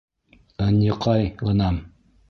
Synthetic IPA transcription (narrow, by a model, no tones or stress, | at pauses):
ɑnɤ̆qʰɑjlˠɤ̆nɑm